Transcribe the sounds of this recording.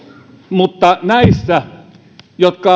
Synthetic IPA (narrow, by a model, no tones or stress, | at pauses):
mut̪ːɑnæisːæ | jot̪kɑ